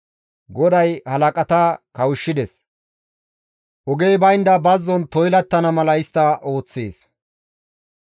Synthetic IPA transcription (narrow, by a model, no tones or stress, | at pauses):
ɡɔd̪ɐjhɐlɐkʼɐt̪ɐkɐwʊʃːɪd̪ɛs | ʔɔɡe̞jbɐjnd̪ɐbɐzːɔnt̪ɔjlɐt̪ːɐnɐmɐlɐɪst̪ːɐʔo̞ːt͡sːeːs